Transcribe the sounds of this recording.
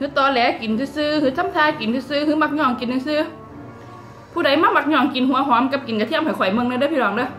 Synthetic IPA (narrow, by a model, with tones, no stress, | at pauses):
hɨ˧˥t̪ɔ˧˩lɛː˨˩˥ki˨˩nt̪ʰɨ˧sɨː˧hɨ˨˧˥t̪ʰa˧˥mt̪ʰaː˧ki˨˩nt̪ɨ˧˦sɨ˧hma˧˩k̚ɲɔ˧˩˨ŋki˨˦nɨ˧ŋsɨ˧ | pʰuː˧˩ɗa˨˩˦jmaː˧˥ma˧˩t̚ɲɔ˧˩ŋki˨˩nɦu˨˧˦əɦwaː˧˦mka˧˥p̚ki˨˩nka˨˩t̪ʰi˧˥əmha˧˩kxɔ˧˩jmɨ˧˨ŋn˧dːpʰi˧˨ɔː˨˧˩ŋɗɨ˧˦